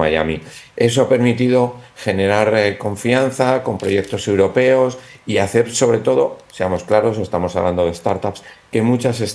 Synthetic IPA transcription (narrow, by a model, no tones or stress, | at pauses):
a̰ja̰mie̞s̬o̞ape̞ɾmit̪iðo̞xe̞ne̞ɾaɾko̞ɱfian̟θako̞mpɾo̞je̞k̚t̪o̞se̞wɾo̞pe̞o̞s | iaθe̞ɾso̞βɾe̞t̪o̞ð̞o̞se̞amo̞sklaɾo̞se̞st̪amo̞saβland̪oð̞est̪aɾt̪aps | ke̞mut͡ʃase̞s